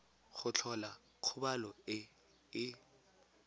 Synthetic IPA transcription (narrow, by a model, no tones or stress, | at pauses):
χʊt͡ɬʰɔla | q͡χʰʊbalɔɪ | ɪ